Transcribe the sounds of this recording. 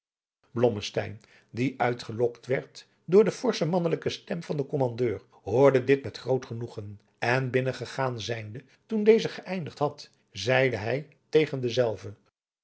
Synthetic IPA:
blɔməstɛ̰jn | diʔœɥtχəlɔktʋɛɹt | dʊːɹdəfɔɹsəmɑnələkəstɛmvɑndəkɔmɑndøːɹ | ɦʊːɹdədɪtmɛtχrowtχənuχən | ɛnbɪnəχəχaːnzɛjndə | tundejzəχəʔɛjndəχtɦɑt | zɛjdəɦɛj | tejχəndəzɛlˠvə

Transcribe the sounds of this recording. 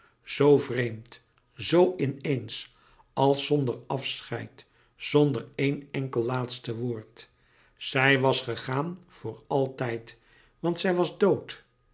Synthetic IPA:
z̥owvrejmt | zowʔɪnejns | ɑlˠsɔndərɑfsχɛ̰jt | sɔndəɹejnɛŋkəlˠlaːtstəʋoːɹt | sɛjʋɑsχəχaːnv̥ʊːɹɑlˠtɛjt | ʋɑnt̪sɛjʋɑzdowt

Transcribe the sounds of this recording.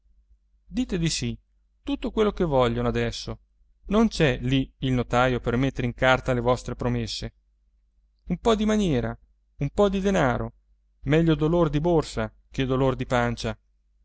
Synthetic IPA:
d̪iːt̪ed̪isi | t̪ut̪ːokwelːokevɔʎːonoad̪ɛsːo | nont͡ʃɛliilnot̪aːjopermet̪ːeɾeiŋkart̪alevɔst̪ɾepɾomesːe | umpɔd̪imanjɛːɾa | umpɔd̪id̪enaːɾo̰ | mɛʎːod̪olord̪iborsa | k̟ed̪olord̪ipant͡ʃa

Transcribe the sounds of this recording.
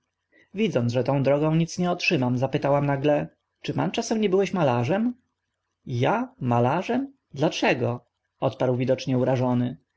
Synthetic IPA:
vʲid̪zɔnʐɛt̪ɔ̃w̃d̪ɾɔɡɔ̃w̃ɲit̪sɲɛɔtʂɘmamzapɘt̪awamnaɡlɛ | t͡ʂɘpa̰nt͡ʂasɛmɲɛbɘwɛɕmalaʐɛm | jamalaʐɛm | d̪lat͡ʂɛɡɔ | ɔt̪paɾwvʲid̪ɔt͡ʂɲɛuɾaʐɔnɘ

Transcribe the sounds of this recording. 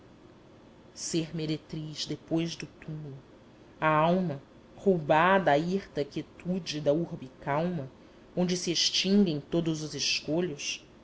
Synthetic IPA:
seɾmeɾet̪ɾiʃd̪epojʒd̪ʊt̪umulˠʊ | ɐawmɐ | howbad̪ɐːiχt̪ɐkʲiet̪ud͡ʒɪd̪ɐuɾbikawmɐ | õd͡ʒɪsieʃt͡ʃĩŋɡẽj̃t̪od̪ʊzʊzeʃkoʎʊs

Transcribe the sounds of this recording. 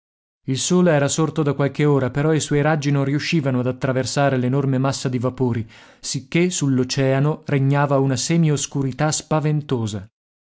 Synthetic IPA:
ilsoːleɛːɾasort̪od̪akwalkeoːɾapeɾɔiswɔjɾad͡ʒːinõnriuʃːiːvanoad̪at̪ːɾaversaːɾelenormemasːad̪ivapoːɾisikːesulːot͡ʃɛːanoreɲːaːvaunaseːmioskuɾit̪aspavent̪oːza

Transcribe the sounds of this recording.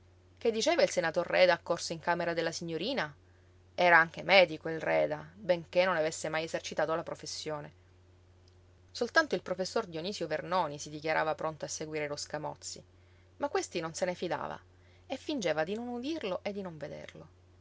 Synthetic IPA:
k̟ed̪ːit͡ʃeːvailsenat̪orːɛd̪aːkːorsoiŋkameɾad̪elːasiɲːoɾiːna | ɛːɾaaŋk̟emɛːd̪ikoilrɛːd̪abeŋkenːonavesːemajesert͡ʃit̪aːt̪olapɾofesːjoːne | solt̪ant̪oilpɾofesːord̪joniːsjovernoːnisid̪ikjaɾʔa̰ːvapɾont̪oasːeɡwiːɾeloskamɔ̰t̪sːḭ | makwest̪inonsenefid̪a̰ːva̰ | efːind͡ʒeːvad̪inonud̪irloʔed̪ːinoɱved̪ḛrlo

